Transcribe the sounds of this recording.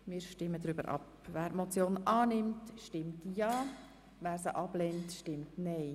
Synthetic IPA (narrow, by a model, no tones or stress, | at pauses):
mɪːɾʃtɪmːədɾybəɾʔɑ̰p | væːɾmot͡sjoːnʔɑːnɪmtʃtɪmtjɑː | ʋæːɾsəʔɑb̥lɛntʃtɪmtnɛɪ